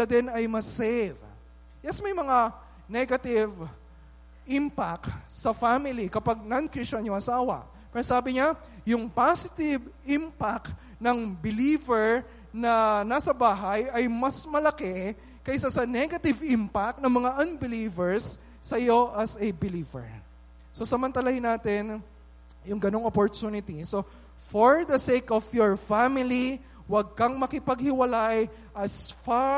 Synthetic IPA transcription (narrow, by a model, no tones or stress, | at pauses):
ɐd̪ɛnɐjmɐsɛv | jɛsmɐjmɐŋa | nɛɡɐt̪ɪv | ʔɪmpak̚sɐfamɪlikɐpaɡ̚nɐnkɾiʃɐɲjoɐsaːwɐ̰ | pɐɾɐsaːbɪɲa | jʊŋpasɪt̪ɪvɪmpak̚ | nɐŋbɪliːvɛɹ | nɐnasɐbaːɦɐjɐjmɐsmɐlɐkɛ | kɐjsasɐnɛɡɐt̪ɪvɪmpak̚nɐŋmɐŋaʔɐnbɪliːvɛɹsː | ɐjo̞ʔɐsɐbɪliːvɛ̰ɹ | so̞sɐmɐnt̪ɐlahɪnaːt̪ɪn | jʊŋɡɐno̞ŋopoɹt̪unɪt̪iso̞ | foɹd̪ɐsekɔfjɔɹfamɪli | wɐɡ̚kɐŋmɐkɪpɐɡ̚hɪwɐlaj | ʔɐsfa